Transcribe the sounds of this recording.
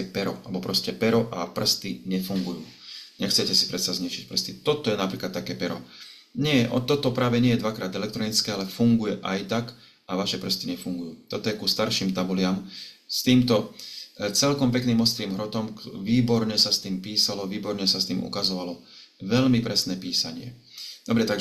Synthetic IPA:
ɛpɛɾɔalbɔpɾɔscɛpɛɾɔʔapr̩st̪iɲɛfuŋɡujuː | ɲɛxt͡sɛcɛsi̥pɾɛt̪sazɲɛʃic̚pr̩st̪it̪ɔt̪ɔjɛnapɾiːklat̪ːakɛːpɛɾɔ̰ | ɲɛʔɔt̪ːɔt̪ɔpɾaːʋɛɲɪɛjɛd̪ʋakɾaːd̪ɛlɛk̚t̪ɾɔnit͡skɛːalɛfuŋɡujɛʔajt̪ak | aʋaʃɛpr̩st̪iɲɛfuŋɡujuːt̪ɔt̪ɔjɛkuːst̪aɾʃiːmt̪abulɪamst̪iːmt̪ɔ | t͡sɛlkɔmpɛkniːmɔst̪ɾiːmɦɾɔt̪ɔmʋiːbɔɾɲɛsast̪iːmpiːsalɔʋiːbɔɾɲɛsast̪iːmṵkazɔʋalɔ | ʋɛlmipɾɛsnɛːpiːsaɲɪɛ̰d̪ɔbɾɛt̪aɡ

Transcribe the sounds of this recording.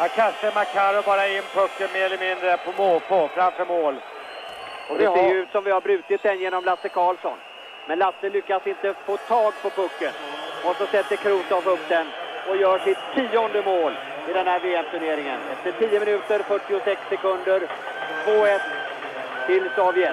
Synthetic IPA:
akʰanʂəmakʰɑːɾɔbɑːɾaɪnːpʰɵkːənmeːɾɛlɾəmɪnd̪ɾəpʰɔmoːlpʰofɾamfœɾmoːl | ɔd̪ɛsejʉːt̪sɔmvɪhaɾbɾʉ̟ːt̪ɪt̪̚d̪ɛnjeːnɔmlasːəkʰɑːlsɔn | mɛnlasːəlʏkːasɪnt̪əfoːt̪ʰɑːɡpʰɔpʰɵkːənɔsɔsɛt̪ːəkʰɾuːt̪avɵpːd̪ɛnɔjœːʂɪt̪ʰːiːɔnd̪əmoːl | ɪd̪ɛnhæːɾveːɛmt̪ʰɵneːɾɪŋənɛ̰ft̪əʈʰiːəmɪnʉ̟ːt̪əɾfœʈːɪʊsɛksːɛkɵnd̪əɾ | voːɛt̪ʰː | ɪlsɔːvjɛ

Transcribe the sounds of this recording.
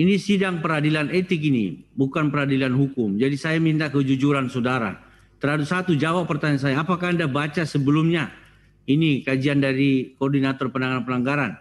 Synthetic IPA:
inisidaŋpəɾadilanet̪ɪkinḭbukanpəɾadilanɦukʊmd͡ʒadisajamint̪akəd͡ʒud͡ʒuɾansɔdaɾa̰ | t̪ərhadut̪̚sat̪ud͡ʒawapːərt̪aɲas̬ajaːpakandabat͡ʃasəbəlumɲa | inikad͡ʒiandaɾikɔɔrdinat̪ɔrpənaŋɡanpənaŋɡaɾan

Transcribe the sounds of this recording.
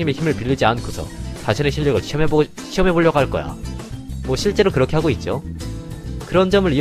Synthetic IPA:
ime̞çimɯɭpiʎːid͡ʑiankʰosʰʌ̰t͡ɕaɕʰineɕʰiʎːʌɡɯɭɕʰiʌme | ɕʰiʌmɦe̞boɭʎːʌɡaɦaɭk͈ʌ̰ja̰mwʌɕʰiɭt͡ɕ͈e̞ɾokɯɾʌkʰe̞haɡoit̚t͡ɕ͈o | kɯɾʌnd͡ʑʌmɯɾi

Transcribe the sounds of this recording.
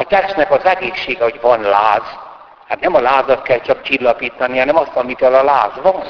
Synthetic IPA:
ɒt̪ɛt͡ʃnɛkɒzɛɡeːʃːeːɡɛho̞ɟvɒnlaːz | haːt̪nɛmɒlaːzɒt̪kɛlt͡ʃɒkt͡ʃilːɒpiːt̪ɒnihɒnɛmɒst̪ɒmivɛlɒlaːzʋɒn

